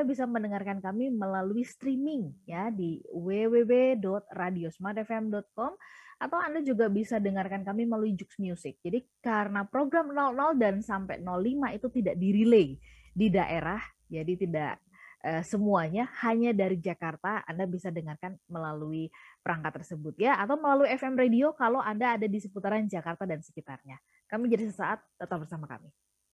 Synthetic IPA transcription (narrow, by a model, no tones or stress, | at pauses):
adabisamənəŋarkankamiməlaluist̪ɾimɪŋjadiwewewedɔt̪̚radiosmad̪ɛfɛmdɔt̪̚kɔmat̪awandad͡ʒuɡabisadəŋarkankamiməlaluid͡ʒʊksmijusɪk̚d͡ʒadikaɾənapɾoɡɾamnɔlnɔldansampɛ̰nɔlːimait̪ut̪idaʔdiɾilei | didaʔeɾah | d͡ʒadit̪ida̰ʔ | ʔəsəmuaɲahaɲadaɾid͡ʒakart̪aa̰ndabisadəŋarkanməlaluipəɾaŋkat̪ːərsəbʊt̪̚jaːt̪awməlaluiɛfɛmrediokaloʔandaːdadisəput̪aɾand͡ʒakart̪adansə̥kit̪arɲa | kamid͡ʒadisəsaʔat̪̚dat̪albərsamaka̰mi